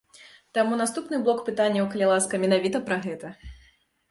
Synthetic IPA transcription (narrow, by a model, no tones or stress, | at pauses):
t̪amunast̪upnɨblˠɔkpɨt̪anʲːɐwkɐlʲilˠaskɐmʲɛnavʲit̪ɐpɾɐɣɛt̪ɐ